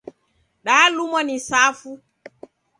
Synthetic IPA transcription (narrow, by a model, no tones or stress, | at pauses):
ɗaːlumɔnisafu